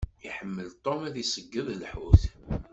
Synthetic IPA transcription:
iħəmːəlt̪ˤːomæðisəɡːəðˤlħuθ

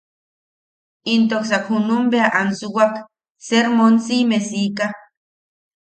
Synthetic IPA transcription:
int̪oksakhunumbeaʔansuwak | seɾmonsimesika

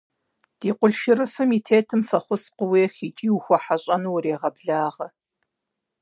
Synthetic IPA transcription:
d̥iːqʷʊɮʃɪɾɨfɨmiːtʰeːtʰɨmfɐχʷʊsqʷʊwiːxiːt͡ʃʼiːwuxʷɔħaɕʼɐnuwreːʁɐbɮaːʁɐ

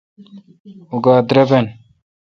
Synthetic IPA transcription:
uɡaːd̪ɾɐben

